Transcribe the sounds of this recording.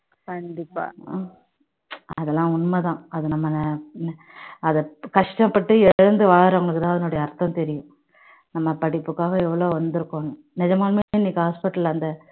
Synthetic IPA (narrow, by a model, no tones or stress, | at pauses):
kɐɳɖɪpːa̰ː | ɐðɛlːãːʊɳmɐt̪ãːɐðɯnɐmːɐnn | ɐðɐkɐʂʈɐ̃mpɐʈːɯɛɽɯnd̪ɯʋɐɭɐɾɐʋɐŋɡɐɭɯkːɯt̪ãːɐðɐnʊɽɐjɐːɾt̪ːɐ̃mt̪ɛɾɪjʊ̃ | nɐmːɐpɐɽɪpːɯkːaːʋɐɛʋːɐɭoːʋɐnd̪ɯɾɯkːõːnɯ | nɪd͡ʒɐmaːlmeːniːkːɯɦaːspɪʈːɾɐlɐnd̪ɐ